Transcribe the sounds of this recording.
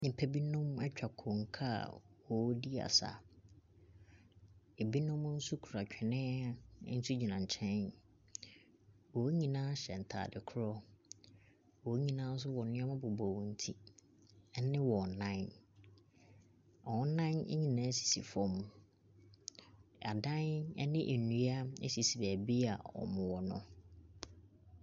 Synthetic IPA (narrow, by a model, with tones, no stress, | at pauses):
nĩ˨pʰɛ˦bi˦nʊ̃˦mɛ˦t͡ɕᶣa˨kʰɔ̃˨ŋ̩˨kʰa̰˦˨wɔ˨˦di˦a̰˨sa̰˨ | e˨bi˦nʊ̃˦m˦n̩˦su˦kʰu˨ɾa˨t͡ɕᶣʰɛ˨nɛ̰̃˦n̩˦su˦d͡ʑi˨nã˨ɲ˨t͡ɕʰɛ̃˦n | wɔ˨˦ɲĩ˨nãː˦ɕɛ˨n̩˨tʰa̰ː˨dɪ˨kʰʊ˦ɾɔ˦ | wɔ˨˦ɲĩ˨nãː˦n̩˦s̬ʊ˦wɔ˨nʊ̃˦a˦mʊ̃˦bʊ˨bɔ˨wɔ̃˨n̩˨tʰḭ˦ | ɛ˦nɪ̃˦wɔ˨nã˦n | ɔ˨˦nã˦nɛ̰˦ɲĩ˨nãː˨˦si̥˨sḭ˨fɔ̃˦m˦ | a˨dã˦nɛ̰˦nɪ̃˦ʔæ˨nũ˦a˦ḛ˦si˨si˨bæ˨bi˦a̰˨ɔ̰˨mʊ̃˨wɔ˨nʊ̰̃˦